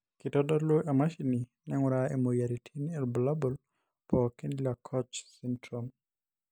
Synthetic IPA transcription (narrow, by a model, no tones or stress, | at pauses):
kitɔdɔloʔemaʃininɛŋwɾaɛmojaɾitʰinɛlbɔlabɔl | pɔkinlakʰɔt͡ʃsɛntɾɔm